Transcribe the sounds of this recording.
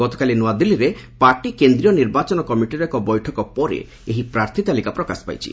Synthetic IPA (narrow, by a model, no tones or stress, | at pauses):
ɔt̪ɔ̥kalinɔad̪ilːiɾepaɾʈikend̪ɾiɔniɾbat͡ʃɔnɔkɔmiʈiɾɔkɔbɔjʈʰɔkɔpɔɾḛ | eɦipɾaɾt̪ʰit̪alikapɾɔkaspa̰jt͡ʃʰḭ